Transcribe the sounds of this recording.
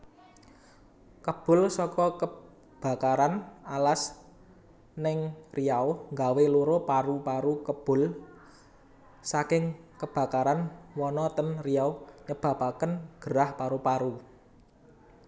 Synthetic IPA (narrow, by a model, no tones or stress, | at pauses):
kəb̥ʊ̤lsɔkɔkə | b̥a̤kaɾanalas | nɪŋriawŋɡaweluɾopaɾupaɾukəb̥ʊ̤l | sakɪŋkəb̥a̤kaɾanwɔnɔt̪ənriawɲəb̥ä̤pakənɡ̥əɾahpaɾupaɾu